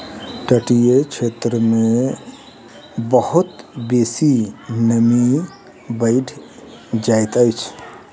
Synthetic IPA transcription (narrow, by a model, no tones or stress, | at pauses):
ʈəʈijet͡ʃʰet̪ɾəmẽ | bəhut̪besinəmi | bəɪʈʰ | d͡ʒajt̪əjt͡ʃʰ